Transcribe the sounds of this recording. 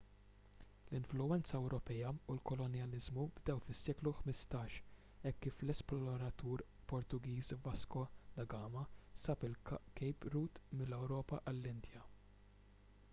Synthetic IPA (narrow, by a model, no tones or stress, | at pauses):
lɪɱflʊɛnt͡sɐɛwɾɔpɛjɐulkɔlɔnjɐlɪzmubd̪ɛwfɪsːɛːkluħmɪst̪ɐːʃ | ɛkːiːflɛsplɔɔɾɐt̪uːɾ | pɔɾt̪ʊɡiːsvɐskɔd̪ɐɡɐːmɐsɐpɪlkɛjpɾuːt̪mɪlːɛwɾɔːpɐʔɐlːɪnd̪jɐ